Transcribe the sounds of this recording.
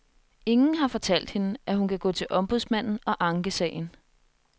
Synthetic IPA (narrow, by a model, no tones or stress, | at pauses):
e̝ŋn̩ɦɑ̈fɒ̽t͡sʰæl̰d̥he̝nəʔæɦunkʰæɡ̥ɔ̰̽ːt͡sʰe̝lʔɒ̽mb̥uðˠsmæn̰n̩ɒ̽ʔɑ̈ŋɡ̥əsɛ̰ːɪn̩